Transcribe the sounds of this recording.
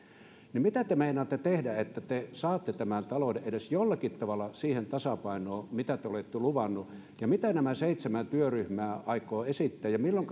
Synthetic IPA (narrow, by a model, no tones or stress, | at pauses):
nimit̪æt̪emeˑinɑt̪ːet̪ehdæet̪ːæt̪esɑːt̪ːet̪æmænt̪ɑlodeʔʔeɾesjolːɑkit̪ːɑʋɑlːˑɑsiːhent̪ɑsɑpɑinoːmit̪æt̪eolet̪ːeluʋɑnːu | jɑmit̪ænæmæseˑit̪semænt̪yøryhmæːɑˑikoːesit̪ːæːjɑmilːoŋk